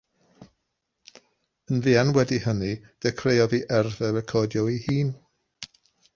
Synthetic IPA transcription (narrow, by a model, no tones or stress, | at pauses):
ənviːanwɛdihənid̥ɛkʰrejɔðiʔɛrvɛɾɛkʰɔdjɔwihiːn